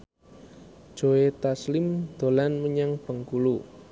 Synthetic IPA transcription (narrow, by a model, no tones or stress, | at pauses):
d̥ʒ̥o̤et̪aslɪmd̪̥o̤lanməɲaŋb̥ə̤ŋkulu